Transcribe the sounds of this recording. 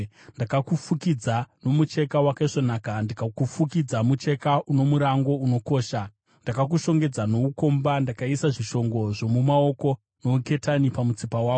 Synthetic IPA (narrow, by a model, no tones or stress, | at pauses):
ndakakufukid͡zano̞mut͡ʃe̞kawakaiʐo̞naːkandikakufukid͡zamut͡ʃe̞kaʔuno̞muɾaŋɡo̞uno̞ko̞ːʃa | ndakak̬uʃo̞ŋɡe̞d͡zano̞uko̞mbandakaisaʐiʃo̞ŋɡo̞ʐo̞mumao̞ko̞ | nouke̞tanipamut͡sipawaːko